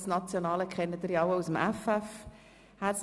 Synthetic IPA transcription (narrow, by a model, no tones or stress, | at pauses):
snɑt͡sjonɑːləkʰχɛnəd̪əɾjɑwəusəmæfæf | hæs